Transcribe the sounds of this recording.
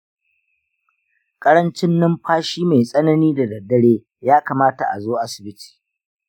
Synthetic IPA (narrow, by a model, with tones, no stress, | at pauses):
kʼɐ˦ɽɐ˦nt͡ʃɪ˦nːɪ˦mɸʰaː˦ʃiː˦ma˨jsʼɐ˦nɐ˦niː˦da˨dɐ˨dːɐ˦ɽeː˦ | jaː˦kaː˨maː˦ta˨ʔa̰˨zoː˦ʔa˦sɪ̥˨bɪ˦ti̥ː˨